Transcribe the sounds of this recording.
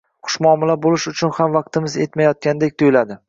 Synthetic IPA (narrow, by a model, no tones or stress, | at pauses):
qʰʊ̥ʃmɒːmɪlabolɪʃʊt͡ʃʰʊnhamvɑq̚t̪ʰɪmɪze̞t̪majɒt̪̚kʲand̪ekʲt̪ʰojlad̪ɪ